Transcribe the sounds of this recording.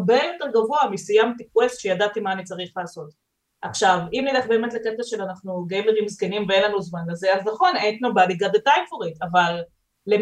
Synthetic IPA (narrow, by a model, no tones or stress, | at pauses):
bejo̞teʁɡavo̞amisijamt̪ikwest̪ʃejadat̪imaːnit͡saʁiχlaːso̞t̪ | ʔaχʃavimnileχbe̞ːmet̪leket̪aʃelanaχnuɡejmeʁimizkenimveenlanuzmanleze̞aznaχo̞nentnobaliɡad̪et̪ajmfoʁit̪avalː | e